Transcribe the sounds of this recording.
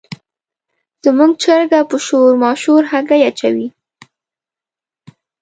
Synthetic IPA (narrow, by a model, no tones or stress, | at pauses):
z̥əmuɡ̚t͡ʃəɾɡapəʃoɾmɑʃuɾhaɡajat͡ʃawi